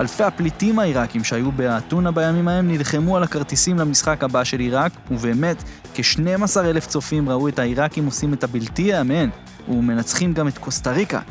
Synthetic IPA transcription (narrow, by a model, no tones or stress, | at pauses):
alfe̞jhaplitimaiʁakimʃehajubeatunabajamimae̞mnilχe̞mualakaʁt̪isimlamisχakhabaʃe̞liʁakuve̞ːme̞t | keʃnejmasaʁe̞le̞ft͡so̞fimʁaue̞thaiʁakimo̞simetabiltiajamen | ume̞nat͡sχimɡame̞t̪ko̞staʁika̰